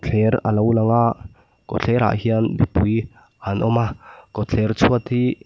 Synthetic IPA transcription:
t͡ɬʰɛɾə̰lowlaŋaʔ | kot͡ɬʰɛɾa̰ʔɦiənbipuj | anʔɔmakɔt͡ɬʰɛrt͡sʰuət̪ʰi

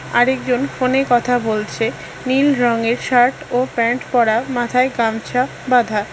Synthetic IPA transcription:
a̰ɾekd͡ʑonfonekɔt̪ʰabolt͡ɕʰe | nilɾɔŋeɾʃaɾʈopɛɳʈpɔɾamat̪ʰaeɡamt͡ɕʰa | bad̪ʱa

